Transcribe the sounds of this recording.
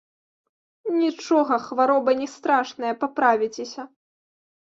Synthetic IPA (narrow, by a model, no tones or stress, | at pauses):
nʲit͡ʂɔɣɐxvaɾɔbɐnʲɛst̪ɾaʂnɐjɐpapɾavʲit͡sʲesʲɐ